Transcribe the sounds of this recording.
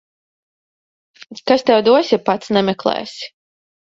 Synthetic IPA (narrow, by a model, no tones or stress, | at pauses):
kast̪ɛwd̪uɔsʲipat̪snɛmʲɛklˠɛ̰ːsʲ